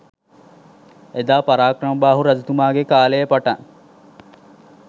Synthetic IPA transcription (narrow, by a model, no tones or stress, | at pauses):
ed̪aːpaɾaːkrɐmbaːɦuɾɐd͡ʒut̪umaːɡekaːlejəpaʈaŋ